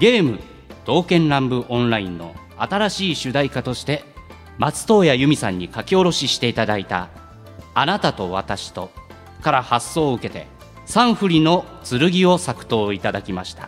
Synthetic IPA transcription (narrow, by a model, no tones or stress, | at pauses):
ɡʲe̞ːmɯ̟̰ | d̪̥o̞ːkẽ̞nɾãmbɯ̟ʔõ̞nɾaĩnːo̞̰ | at̪aɾaɕiːɕɨd̪aikat̪o̞ɕi̥t̪e̞ | mat͡sɨ̥t̪o̞ːjajɯ̟mʲisã̰ɲ̟ːikakʲio̞ɾo̞ɕiɕi̥t̪e̞it̪ad̪ait̪a̰ː | nat̪at̪o̞β̞a̰t̪aɕi̥t̪o̞ | kaɾahasːo̞ːɯ̟ke̞t̪e̞̰ | sãɰ̃ɸɯ̟ɾʲino̞t͡sɨɾɯ̟ɡʲio̞sakɯ̟̥t̪o̞ːit̪ad̪akʲimaɕi̥t̪ḁ̰